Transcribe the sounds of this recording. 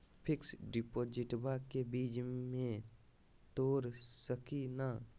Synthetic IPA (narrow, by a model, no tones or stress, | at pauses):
pʰɪksɖɪpoːd͡ʒɪʈbakebiːd͡ʒmẽ | t̪oːɾsəkina